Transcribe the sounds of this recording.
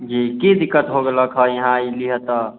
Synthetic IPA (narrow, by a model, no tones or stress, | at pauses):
d͡ʒikid̪ikːət̪ɦoɡeləkʰɦəjəɦãiliɦət̪ə